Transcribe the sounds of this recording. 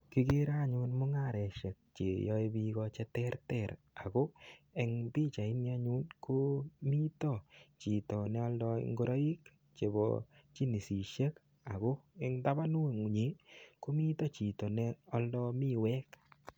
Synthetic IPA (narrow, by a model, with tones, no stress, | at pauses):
ki˦ɡe˦ɾa˦˨ɲʊ˦nmʊ˦ŋa˦˨ɾɛ˨ʃe˨k̚t͡ʃe˨jɔ˦i˦bi˦ɡɔ˧t͡ʃɛ˦tɛ˦ɾtɛ˨ɾ | a˨ko˦ɛ˨ŋbi˦t͡ʃa˨ɪ˦nia˦ɲu˦nko˦mi˦tɔ˨t͡ʃi˨tɔ˨nɛ˦ɔ˦ldɔ˦ḭŋɡo˦ɾa˦i˦k | t͡ʃe˨bɔ̰˨t͡ʃi˦ni˨si˨ʃe˦k | a˨ɡo˦ɛ˦ŋta˦ba˦nu˦˨ŋu˨ɲe˨˦ku˦mi˦tɔ˦t͡ʃi˨tɔ˨nɛ˦ɔ˦ldɔ˧mi˦wɛ˦k